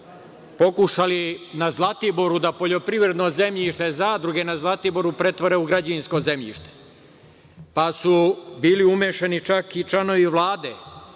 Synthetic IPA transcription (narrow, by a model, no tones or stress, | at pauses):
po̞kuʃalinazlˠat̪iboɾud̪apo̞ʎo̞pɾivɾe̞d̪noze̞mʎiʃt̪ezaːd̪ɾuɡe̞nazlˠat̪ibo̞ɾupɾe̞t̪ʋoɾeuɡɾad͡ʑainsko̞zemʎḭʃt̪e̥ | pasubiːliumeʃenit͡ʃakit͡ʃlano̞ʋiʋlˠaːd̪e